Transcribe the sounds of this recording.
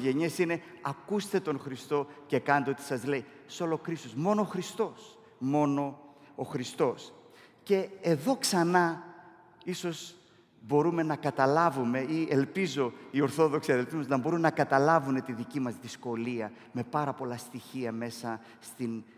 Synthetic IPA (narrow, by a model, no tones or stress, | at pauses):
ʝe̞ɲesine̞ɐkust̪e̞t̪o̞nxɾist̪o̞ce̞kɐnɐnt̪eot̪i̥sɐzle̞iso̞lo̞kɾist̪osmo̞noːxɾist̪o̞s | mo̞no̞ː | xɾist̪o̞s | ce̞ːðo̞ksɐnɐ | iso̞z | bo̞ɾume̞nɐkɐt̪ɐlɐvume̞ielpizo̞io̞ɾθo̞ðoksiɐðelt̪imɐznɐbo̞ɾumnɐkɐt̪ɐlɐvune̞t̪iðicimɐzðisko̞liɐ | me̞pɐɾɐpo̞lɐst̪içiɐme̞sɐ | st̪in